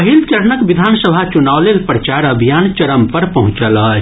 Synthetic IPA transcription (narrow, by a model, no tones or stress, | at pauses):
ɦilt͡ʃɐɾnəkʋɪd̪ʱaːnsəbʱat͡ʃunaːʋlelpɾət͡ʃaːɾɐbʱijaːnt͡ʃɐɾəmpɐɾpɐɦʊ̃t͡ʃəl